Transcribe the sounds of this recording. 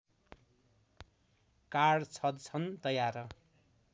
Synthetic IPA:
kaɽt͡sʰʌd̪̚t͡sʰʌnt̪ʌjaɾʌ

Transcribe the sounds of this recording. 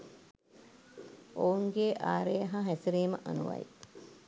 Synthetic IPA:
ouŋɡeʔaːɾejɐɦaɦæsiɾeːməʔanuʋɐ̰jḭ

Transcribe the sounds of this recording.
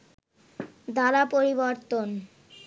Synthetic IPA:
d̪aɾapoɾiboɾt̪on

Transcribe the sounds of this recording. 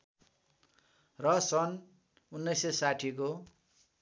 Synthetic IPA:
rʌsʌn | unːʌjsesaʈʰiko

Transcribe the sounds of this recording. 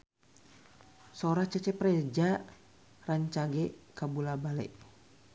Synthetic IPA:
soɾaht͡ʃɛt͡ʃɛpɾɛd͡ʒa | raɲt͡ʃaɡɛkabulabalɛ̰ʔ

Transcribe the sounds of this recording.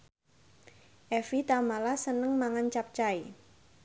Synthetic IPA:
ʔɛfit̪amalasənəŋmaŋant͡ʃap̚t͡ʃai

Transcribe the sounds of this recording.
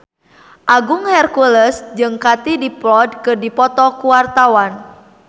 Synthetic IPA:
ʔaɡʊŋhɛrkuləsd͡ʒɨŋkat̪idiplɔd̚kɨrdipɔt̪ɔkuwart̪awan

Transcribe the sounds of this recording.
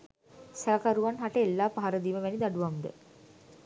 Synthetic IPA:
sɛlakaɾuʋanɦaʈəelːaːpaɦaɾəd̪iːməʋænid̪aɖuʋamd̪ə̰

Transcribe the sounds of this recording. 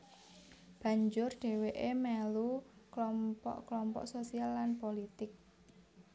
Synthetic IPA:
b̥ä̤ɲd͡ʒʊrɖ̥e̤weʔemɛluklɔmpɔ̰ʔklɔmpɔ̰ʔsosialːanpolit̪ɪk̚

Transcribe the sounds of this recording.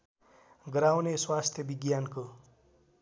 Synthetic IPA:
ɡɾawneswast̪ʰjʌbiɡjanko

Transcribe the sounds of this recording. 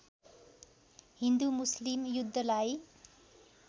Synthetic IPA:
ɦind̪umuslimjud̪ʱːʌlaj

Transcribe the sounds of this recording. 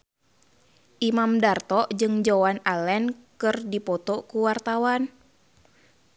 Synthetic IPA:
ʔimamdart̪ɔd͡ʒɨŋd͡ʒɔwanalɛnkɨrdipɔt̪ɔkuwart̪awan

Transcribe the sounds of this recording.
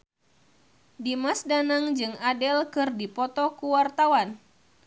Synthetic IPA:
dimasdanaŋd͡ʒɨŋadɛlkɨrdipɔt̪ɔkuwart̪awan

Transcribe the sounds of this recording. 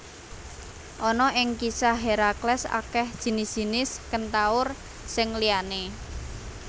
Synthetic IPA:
ʔɔnɔʔɪŋkisaɦeɾaklɛsa̰kɛhd̥ʒ̥i̤nɪsʒ̥i̤nɪskənt̪aʊr | sɪŋliane

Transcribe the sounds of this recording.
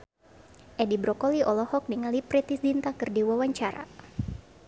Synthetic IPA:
ʔɛdibɾɔkɔliʔɔlɔhɔk̚diŋalipɾit̪isdint̪akɨrdiwawaɲt͡ʃaɾa̰

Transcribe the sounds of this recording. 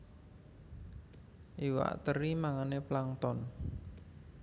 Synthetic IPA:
ʔiwa̰ʔt̪əɾimaŋaneplaŋt̪ɔn

